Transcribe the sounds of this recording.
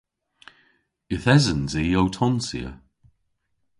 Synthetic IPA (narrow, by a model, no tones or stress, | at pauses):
ɪθɛzənziːowtʰɔnsiə̰